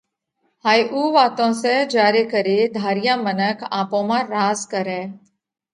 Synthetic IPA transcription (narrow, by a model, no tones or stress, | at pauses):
haːjʔuːʋaːt̪õsed͡ʒaːɾekəɾed̪ʱaːɾijãmənəkʰaːpõmãɾaːzkəɾɛ̃ː